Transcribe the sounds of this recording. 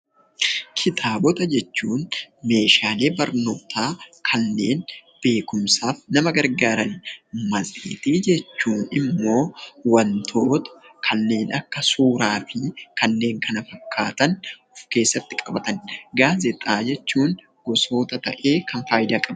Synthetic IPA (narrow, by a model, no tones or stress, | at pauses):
kʰɪt̪ʰaːbɔt̪ɐd͡ʒɛt͡ʃːuːnme̞ːʃaːleːbɐɾno̞ːt̪ʰaːkʰɐnːe̞ːnb̥e̞ːkʊmsaːfnɐmɐɡɐɾɡaːɾɐnmɐzʼḭːt̪iːd͡ʒɛt͡ʃːuːnɪmːo̞ːwɐnt̪ʰo̞ːt̪ɐ̥kʰɐnːe̞ːnɐkːɐsuːɾaːfɪkʰɐnːe̞ːŋkʰɐnɐfɐkʰːaːt̪ɐnʊfke̞ːsːɐt̪ːɪkʼɐbɐt̪ɐnɡaːzɪt̪ʼaːd͡ʒɛt͡ʃːuːn | ɡ̥ɔso̞ːt̪ɐt̪ɐʔe̞ːkʰɐnfaːjd̪aːkʼɐb